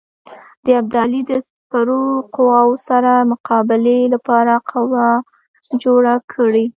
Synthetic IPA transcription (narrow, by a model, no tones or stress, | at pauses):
d̪̥əjaɡ̚d̪ɑlid̪əsapaɾoqʊwɑwosaɾamʊqʰɑbɪlelapɑɾaqʰawa | d͡ʒoɽakʰəɽe